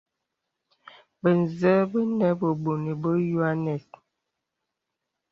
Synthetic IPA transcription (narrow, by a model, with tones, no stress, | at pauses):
bə˨n˨zə˦bə˦nɛ˦bə˨bo˨ni˨bə˦ju˦a˦nɛ˨s